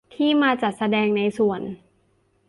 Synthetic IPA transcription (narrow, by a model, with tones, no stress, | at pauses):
t̪ʰiː˥˩maː˧t͡ɕa˨˩t̪̚sa˧dɛː˧ŋna˧jsu˨˩ən